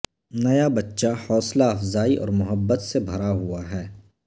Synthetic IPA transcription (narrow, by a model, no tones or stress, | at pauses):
nɐjabɐtːʃahɔːslaɐfzaːiʔɔ̰ːɾmʊɦəbːət̪sebʱɐɾaɦuaɦɛː